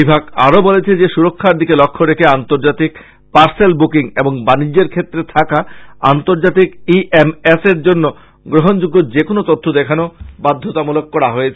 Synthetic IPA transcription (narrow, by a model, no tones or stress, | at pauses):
ibʱaɡa̰ɾobolet͡ɕʰed͡ʑeʃuɾokʰːaɾd̪ikelɔkʰːoɾekʰeant̪oɾd͡ʑat̪ik | paɾselbukiŋeboŋbanid͡ʑːeɾkʰet̪ːɾet̪ʰakaa̰nt̪oɾd͡ʑat̪ikiʔemeseɾd͡ʑonːo | ɡɾoɦond͡ʑuɡːod͡ʑekonot̪ot̪ʰːod̪ɛkʰanobad̪ʱːot̪amulokːɔɾaɦojet͡ɕʰe